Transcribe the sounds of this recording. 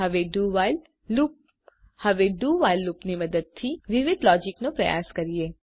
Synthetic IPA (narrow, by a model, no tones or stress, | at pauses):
ɦəʋeɖuʋal | lup̚ | həʋeɖuʋailːupniməd̪əd̪̚t̪ʰiʋɪʋɪd̪lɔd͡ʒɪknopɾɐ̰ja̰skəɾie